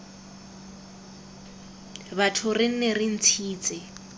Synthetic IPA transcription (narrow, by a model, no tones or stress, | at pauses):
batʰʊrɪn̩nerɪn̩t͡sʰiːt͡sʼɪ